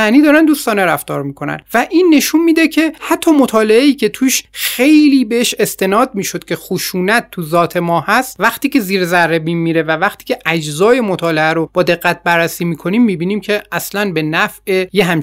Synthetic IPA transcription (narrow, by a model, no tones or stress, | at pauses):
æniːd̪ɒːɾænd̪uːst̪ɒːneɾæft̪ɒːɾmiːkʰo̞næ̰nvæʔinːe̞ʃunmiːd̪ecʰe̞hæt̪ʰːɒːmot̪ʰɒːle̞eiːcʰe̞t̪ʰuːʃxe̞jliːbeeʃe̞st̪e̞nɒːd̪̚miːʃod̪̥cʰʲe̞xuʃuːnæt̪ʰːuzɒːt̪ʰe̞mɒːhæst̪̚væxt̪iːcʰe̞ziːɾzærːe̞biːnmiːɾevævæxt̪ʰiːcʲʰe̞ʔæd͡ʒzɒːje̞mot̪ʰɒːleæɾob̥ɒːd̪e̞ɣːæt̪̚bæɾːæsiːmiːkʰo̞niːmːiːbiːniːmcʰe̞ʔæslænbe̞næfe̞jeɦæm